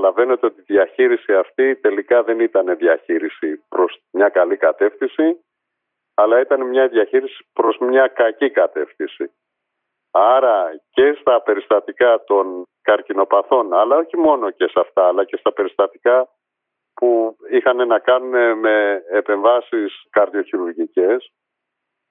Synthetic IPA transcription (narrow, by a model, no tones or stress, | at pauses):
ɐlɐve̞ne̞t̪eo̞t̪iðʝɐçiɾisiɐft̪it̪e̞likɐðe̞nit̪ɐne̞ðjɐçiɾisipɾo̞smɲɐkɐlikɐt̪e̞fθisi | ɐlɐit̪ɐnemɲɐðjɐçiɾisi̥pɾo̞zmɲɐkɐcikɐt̪e̞fθisi | ɐɾɐce̞st̪ɐpe̞ɾist̪ɐt̪ikɐt̪o̞nkɐɾcino̞pɐθo̞nɐlɐo̞çimo̞no̞ce̞sɐft̪ɐːlɐce̞st̪ɐpe̞ɾist̪ɐt̪ikɐ | puixɐne̞nɐkɐnune̞me̞ːpe̞ɱvɐsiskɐɾðjo̞çiɾuɾʝice̞s